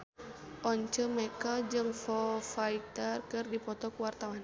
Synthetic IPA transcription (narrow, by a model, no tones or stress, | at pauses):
ʔɔɲt͡ʃəmɛkəd͡ʒɨŋfɔfait̪ərkɨrdipɔt̪ɔkuwart̪awan